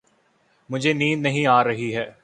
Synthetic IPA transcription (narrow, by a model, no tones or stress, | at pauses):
mʊd͡ʒʱeːniːnːəɦĩːaːɾəɦiːɦɛː